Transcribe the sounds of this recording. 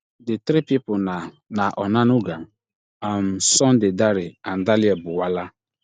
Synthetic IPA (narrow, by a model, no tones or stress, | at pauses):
dɪt̪ɾipipʊna | naʔɔnãnʊɡa | amsɔ̃ndɪdaɾɪandalɪɛbʊwala